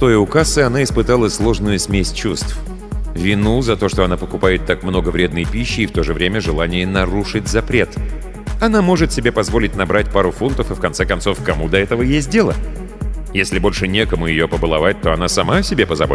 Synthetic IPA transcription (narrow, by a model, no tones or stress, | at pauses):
t̪o̞jʊkasɨɐnaɪspɨt̪alˠəsʲlˠo̞ʐnʊjʊsʲmʲesʲt͡ɕust̪f | vʲɪnuzɐt̪o̞ʂt̪o̞ɐnapəkʊpajɪt̪ːakmno̞ɡəvɾʲe̞d̪nəjpʲiɕːɪːft̪o̞ʐɨvɾʲemʲəʐɨlˠanʲɪjənɐɾuʂɨtʲzɐpɾʲet̪ | ɐn̪amo̞ʐɨt̪sʲɪbʲepɐzvo̞lʲɪtʲnɐbɾatʲpaɾʊfunt̪əfɨfkɐnt̪sɛkɐnso̞fkɐmud̪ɐɛt̪əvəjesʲt̚ʲdʲe̞lˠə | jesʲlʲɪbo̞lʲʂɨnʲe̞kəmʊjɪjopəbəlˠɐvat̚ʲt̪o̞ɐnasɐmasʲɪbʲe̞pəzɐbo